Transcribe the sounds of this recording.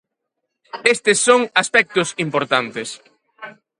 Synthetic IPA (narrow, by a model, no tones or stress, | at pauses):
est̪ɪsːoŋaspɛk̚t̪ʊsimpoɾt̪ant̪ɪs